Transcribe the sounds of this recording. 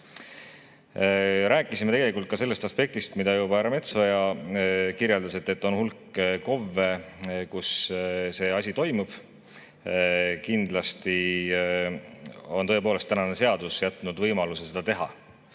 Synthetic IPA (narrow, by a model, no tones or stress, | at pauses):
ɾæːkːˑisimet̪e̞ɡeikːˑult̪̚kɑse̞lːest̪ɑspe̞k̚t̪ist̪mid̪ɑjuːbɑæɾɑme̞t̪so̞jɑ | kiɾjeld̪ɑse̞t̪ːˑe̞t̪ːˑo̞nhulkːko̞vːe̞kusse̞ɑsʲit̪o̞jmub̥ | kind̪lɑst̪i | o̞nt̪ɤepo̞ːle̞st̪ːænɑne̞se̞ɑd̪usjæt̪ːˑnud̪vɤjmɑlusese̞d̪̥ɑt̪e̞ɦɑ̰